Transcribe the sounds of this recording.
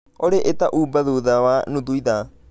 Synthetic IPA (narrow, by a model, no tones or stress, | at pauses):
oɾeʔet̪aʔuːbaðuðawanud̪uiða